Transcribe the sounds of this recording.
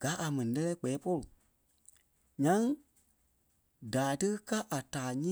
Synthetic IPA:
ɡ̥a˨˦ʔa˨mɛ̃˨nĩ˨lɛ˧lɛː˦k͡pɛː˨˦po˦lu˨ | ɲã˦ŋ | daː˨tɨ˦ka˦ʔa˨taː˨ɲĩ˦

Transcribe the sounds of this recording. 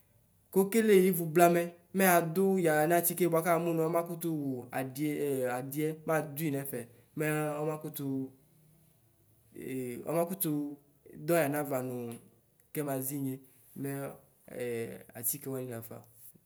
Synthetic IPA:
ko˦ke˦le˦˨i˦vu˨bla˦mɛ˦ | mɛ˦a˨d̪ʊ˦ja˨n˦ã˦˨ti˦ke˦bo˨a˦ka˦˨mũ˦nũ˨˦ɔ˦mã˦ku˦t̪u˦wo˨˦˨a˨di˦ɛ˦mã˦d̪u˦i˨nɛ˨fɛ˨ | me˦ɔ˦mã˦ku˦t̪u˦˨ | ɔ̰˦mã˦ku˦t̪u˦ | d̪ɔ˦ja˨nã˦va˨nũ˨ | kɛ˦mã˨zi˦ɲe˦ | mɛ˦˨ | a̰˨ti˦ke˦wa˦nĩ˦la˨fa̰˨

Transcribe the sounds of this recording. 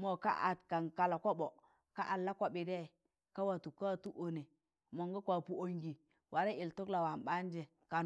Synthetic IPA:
mo˨ka̰˦ʔa̰˨tka˨nka˨la˨ka˦ɓo˨ | ka˦ʔa˨lːa˦kʷa˨ɓi˨de˦˨ | ka˦wa˨tu˨ka˦˨tu˦ʔo˨ne˨ | mo˨ŋɡo˦kʷa˨pu˦o˦ŋɡi˨ | wʔa˨ɾe˦i˨lto˦kla˨wa˨mɓa˦n˦d͡ʒe˨ | ka˨

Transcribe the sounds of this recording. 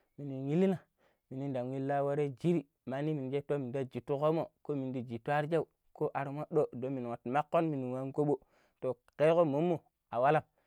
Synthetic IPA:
mi˨ni˨ŋi˦li˦na˨ | mi˨ni˦nda˨wi˦lːa˦wo˦ɾe˦d͡ʒi˦ɾi˨ | ma˨˦ni˦mi˨n˨d͡ʒe˦to˦mi˨da˦d͡ʒi˨tu˦ko˦mo˨ko˦mi˨n˦di˨d͡ʒi˨tʷa˦ɾd͡ʒa˦u˨ | ko˦ʔa˨ɾu˦mo˦ɗo˦do˦mi˨n˨wo˨tma˦kːo˦nmi˨ni˨wa˦ŋko˦ɓo˦ | to˨ | ke˦ko˦mo˦mːo˨ | a˨wa˦la˦˨m

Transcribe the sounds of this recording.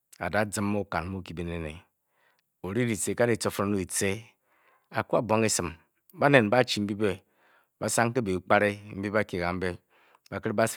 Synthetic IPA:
a̰˨da˦d͡zɨ˦mː˦o˦ka̰˨n˦mu˦ki˨be˨ne˨nḛ˨ | o˨ɾi˦di˨t͡se˨ka˦ɾi˨t͡so˨fo˦ɾnu˦i˨t͡se˦ | a˨ku˦a˨bo˦ŋe˦sɨ˨m | ba˦ne˨nba˦t͡ʃi˨m̩˦bi˦be˦ | ba˦sa˦ŋ˦ke˦be˨˦k͡pa˦ɾe˦m̩˦bi˦ba˦ki˨ɣa˨m̩˦be˦ | ba˨kɨ˦ɾba˦

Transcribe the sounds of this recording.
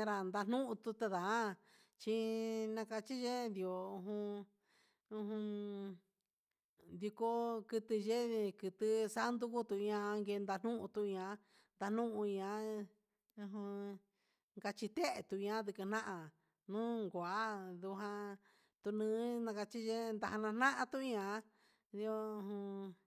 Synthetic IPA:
ã˧ɾa˨nd̪a˧n̥nũ˦ʔũ˧t̪u˧t̪a˧ðã˨˦ | t͡ʃi˧nã˧ka˧t͡ʃi˦ʒe˦nd̪i˨o˨ũ˧ɦũ˧ | ũ˧ɦũ˧ | d̪i˧ko˧kɨ˧t̪ɨ˧ʒe˦kɨ˧t̪ɨ˧sa˦nd̪u˦ku˦t̪u˧˨˧ã˧ŋɡe˧nd̪a˧n̥ũ˦ʔũ˧t̪u˧ã˧ | nd̪a˧n̥ũ˦ʔũ˧ã˧ | ũ˧ɦũ˧ | ŋɡa˧t͡ʃi˧t̪e˦ʔe˧t̪u˧ɲã˧˦d̪ɨ˧kɨ˧n̥ã˦ʔã˧ | nũː˦ŋɡʷa˨˦ðu˧ɦã˧ | t̪u˧nɨ̃ː˧˦nã˧ka˧t͡ʃi˦ʒe˦˧nd̪a˧ha˧nã˧n̥nã˦ʔã˧t̪u˦˧ɲã˧˦ | d̪i˧o˧ũ˧ɦũ˧

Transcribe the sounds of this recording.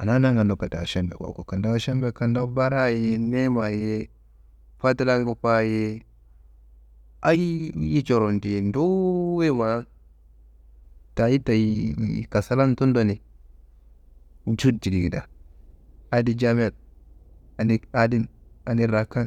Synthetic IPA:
a˨na˦na˦ŋɡa˨ndo˨pa˨ta̰˨ʃa˦mbḛ˨ka̰˨ko˨ka˨nda˦wa˦ʃa˦mbe˦ka˨nda˦ba˦ɾa˦˨jme˦ma˨je˦ | fa˦ta˦la˦ɡo˨pa˦je˦ | a˦ji˦ji˦t͡ʃo˨ɾo˨nti˨ndo˦we˦˨ma˨˦ | ta˨ji˦ta˨ji˨˦mḭ˨ka˨sa˦la˦n˦tu˦ndo˦˨ne˨ | u˨t͡ʃu˦˨ti˨di˨ɡi˨da˨ | a˨di˦d͡ʒa˦m˦a˨l | a˨ni˦a˦di˦na˨ni˦ɾa˨ka˦n

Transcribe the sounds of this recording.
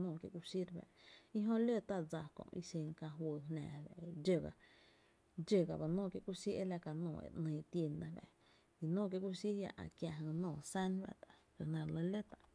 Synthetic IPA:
nõː˧˨kjḛ˦˨ku˧si˦ɾba̰˧˨ʔi˦ɦõ˦lo˦˨t̪a˦˨d͡za˧kõ̰˨ʔḭ˧se˧ŋkã˧ɦwə˧ɦnã̰ː˨be˨ʔd͡ʒə˧˨ɡa˨ | d͡ʒə˧˨ɡa˨ba˨nõː˦˨kje˧ʔku˦si˦ʔe˦la˧ka˧nõː˧˨ḛ˨ʔnə̃ː˧t̪je˧nːã˧bḛ˨ | i˧nõː˦˨k̬je˧ʔku˦si˦ja̰˧ʔã̰˨kja˧ɦɨ̃˧nõː˧˨sa˦nba̰˦ʔt̪a˨ʔ | kə˧˨nã˧˨˧lə˧˦le˦t̪a˨ʔ

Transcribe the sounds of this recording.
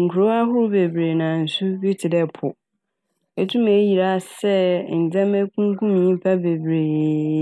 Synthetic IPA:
ŋ̩˨kʰu˨ɾo˦a˦ɦʊ˦ɾʊ˦be˨bɾe˨nã˨n̩˨sʊ˦bi˦tʰɪ˨dɛ˦pʰʊ˨ | ɛ˨tʰũ˦me˨˦ji˨ɾa˦˨sɛ˦n̩˨d͡zɛ̃˦mɛ˦kʰũ˦ŋ˦kʰũ˦mĩ˨˦pʰa˦be˨bɾeː˨

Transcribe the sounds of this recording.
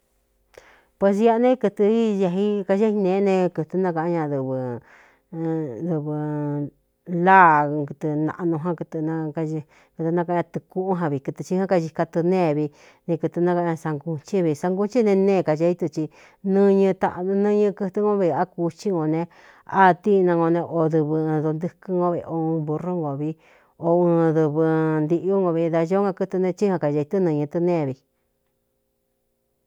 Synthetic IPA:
pwe˧s̬ja˦˧nẽ˦kɨ˧t̪ɨ˧i˦˧ja˧ɦi˦ka˧ʒa˦i˧nẽ˨˦nẽ˧kɨ˧t̪ɨ˧nã˦ka˧ʔɲã˧ðɨ˧βɨ˧ | d̪u˧βɨ˧ | la˦˨kɨ˧t̪ɨ˧nã̰˧ʔnũ˧ɦã˦kɨ˧t̪ɨ˧nã˧ka˧ | kɨ˧t̪ɨ˧nã˧ka˧ã˧t̪ɨ˧ku˦ʔu˦ɦã˧βi˧˨kɨ˧t̪ɨ˧t͡ʃi˧˦hã˦ka˧ʒi˧ka˧t̪ɨ˧nẽː˦˧˨βi˧ | nẽ˧kɨ˧t̪ɨ˧nã˧ka˧ɲã˧sa˧ŋɡu˧t͡ʃi˦βi˧˨˧sa˧ŋɡu˦t͡ʃi˦nẽ˧nẽː˧˨ka˧t͡ʃa˧˦i˦t̪u˧t͡ʃi˧ | nɨ̃˦˧ɲɨ̃˧t̪a̰˧ʔnɨ̃˦ɲɨ̃˧kɨ˧t̪ŋõ˦βi˧a˦ku˧t͡ʃi˦ŋɡõ˧nẽ˧ | a˦˧t̪i˦˧nã˧ŋõ˧nẽ˧ʔo˧ðɨ˧βɨ˧ɨ̃˧ðo˧nd̪ɨ˧kɨ˦ŋɡõ˧βe˧o˧ũ˧βu˧ro˦ŋɡo˨βi˧ | o˧ɨ̃˧ðɨ˧βɨ˧nd̪i˧ʔo˦ŋɡõ˧βi˧ða˧ʒo˦ŋã˧kɨ˦˧t̪u˧nẽ˧t͡ʃi˦hã˧ka˨ʒa˧i˧t̪u˦nɨ̃˧ɲɨ̃˧t̪ɨ˧nẽː˦˨βi˧

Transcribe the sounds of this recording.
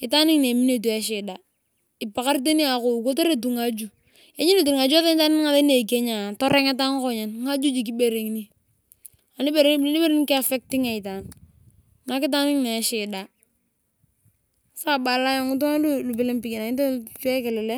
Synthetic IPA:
ɪ˨ta˦nɪ˦ŋne˨mi˦ne˦˨t̬u˨e˦ʃ̬ɪ˨da˨ | ɪ˨pa˨ka˦ɾt̬e˦ni˦a˨kʊ˨ko˦te˦ɾe˦t̬u˨ŋa˦d͡ʒu˨ | e˦ɲi˦ne˦˨t̬u˨ni˨ŋa˨d͡ʒu˦a˦ðe˦n˦ta˦nɪ˦n˦ŋa˨ðe˦ne˨k̬e˦ɲa˨tɔ˦ɾe˦ŋe˦t̬a˦ŋ˦ko˦ɲe˨nŋa˦d͡ʒu˦d͡ʒi˨k̬i˦be˨ɾe˨ŋni˦ | a˨ni˦be˦˨ɾe˦i˦be˦ɾe˦ŋ˦kɪ˦a˨fe˦k̚ti˦ŋa˨ɪ˨ta˨ŋ | na˨kɪ˦t̬a˦nɪ˦ŋne˨ʃɪ˨da˨ | sa˦˨ba˨la˦jo˨ŋʊ˦t̬u˦a˦lu˦lu˨pɪ˨le˦mpi˨ke˨na˨ɪ˦t̬e˦tu˦e˦ke˨lɛ˨le˦

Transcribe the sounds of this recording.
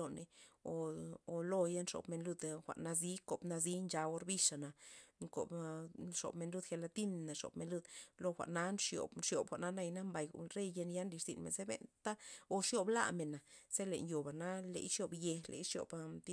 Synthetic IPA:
o˧ne˨o˨˧o˧˨lo˦ja˦nʂo̰˧bme˧nlu˧d̪xʷa̰˨ʔna˧zi˦ko˨bna˧zi˦nd͡ʒa˧o˧ɾbi˧ʂa˨na˨ŋko̰˨bʂo̰˨bme˧nlu˧˦d̪xe˧la˧t̪i˦n˨na˨ʂo̰˨bme˨nlu˧d̪lo˧xʷa̰˨ʔna˦nʂjo̰˨bʂjo˨bxʷa˨ʔna˦na˧jna˦mba˨j̰ɾe˦jje˧nja˦nli˧ʂzḭ˨nmḛ˨nze˦bḛ˧nt̪a˦o˧ʂjo˧bla̰˧˨me˨na˨z̥e˦lḛ˨njo˨ba˨na˦lḛ˨jʂjo˧bje˧lḛ˧jʂjo̰˨bt̪i˦

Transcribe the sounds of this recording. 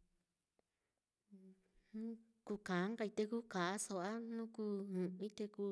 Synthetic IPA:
nũ˦ | ku˧kã˨˦ŋɡa˧i˧t̪e˧ku˦kã˨a˦so˧ʔa˦nũ˦ku˧˦ũ˧ĩ˦t̪e˧ku˧

